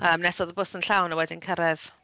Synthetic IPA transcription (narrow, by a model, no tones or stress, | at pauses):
əːmnɛsɔðəbʊsənɬawnawɛdɪnkʰəɾɛð̥